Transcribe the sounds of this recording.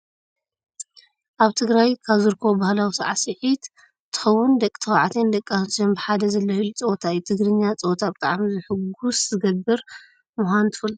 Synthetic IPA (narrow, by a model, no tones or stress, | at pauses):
ʔaβt̪ʰɨɡɾajkʰaβzɨɾkʰo̞bahlawisaʕasɨħit̪ | t̪ʰːɨ̥xɐwːʊnd̪ɐkʼːi̥t̪ʰɐwaʕat̪ʰend̪ɐkʼːasonbɨħad̪ɐzɐlːɐut͡sʼɐwt̪ʰajt̪ʰɨɡɾɨɲːat͡sʼɐwt̪ʰabɨt̪ʼaʕamizɨħɨɡuszɨɡɐbɨɾ | muxʷant̪ʰɨfɨl